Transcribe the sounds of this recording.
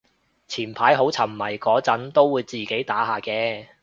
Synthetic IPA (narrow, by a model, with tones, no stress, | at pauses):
t͡sʰiː˨˩npʰaː˨˥jɦo˨˥wt͡sʰɐ˨˩m˨mɐ˨˩jkɔː˨˥t͡sɐ˨˥nt̪o˥wːuː˨˧jt͡siː˨ke˨˥jt̪aː˨˥ɦaː˨kɛː˧